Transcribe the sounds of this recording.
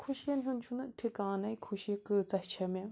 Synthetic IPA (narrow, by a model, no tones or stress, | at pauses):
kʰoɕʰianɲont͡ɕʰonəʈ͡ʂʰekaŋnaikʰoɕikət͡saht͡ɕʰamel